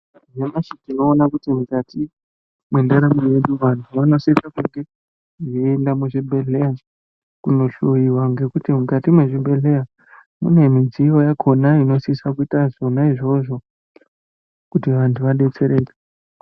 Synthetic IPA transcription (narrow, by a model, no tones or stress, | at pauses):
jemaʃitinoːnakutimukatʰi | mwendaɾamije̞ɗuʋantʰuʋano̞sisakuŋɡe̞ | iendamuʐibʱe̞ɮe̞ja | kuno̞ɬojiwaŋɡe̞kutimukatimweʐibʱe̞ɮe̞ja | mṵne̞mid͡zijo̞jakʰo̞naino̞sisakuitazo̞naiʐo̞ʐo̞ | kutiʋantʰuʋaɗe̞t͡se̞ɾe̞ːke